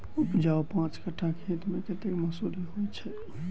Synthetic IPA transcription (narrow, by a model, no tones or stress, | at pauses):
upd͡ʒaopãt͡ʃkəʈʰãkʰĩt̪meket̪ekməsuliɦojt͡ʃʰɛ